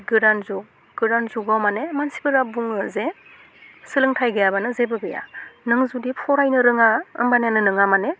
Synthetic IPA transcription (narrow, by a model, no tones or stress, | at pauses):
ɡɯɾanzuk̚ | ɡ̥ɯɾanzuɡawmanemansibɯɾabuŋɯze | sɯlɯŋtʰajɡɯjabanɯzebɯɡɯja̰nɯŋzudipʰɔɾajnɯɾɯŋaɯ̰mbanjanɯnɯŋamane